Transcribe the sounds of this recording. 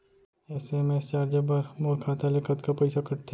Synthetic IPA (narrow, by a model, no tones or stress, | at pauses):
ɛːsemest͡ʃaːɾd͡ʒabaɾmoːɾkʰaːt̪alekɐt̪kapɐɪsakɐʈt̪ʰe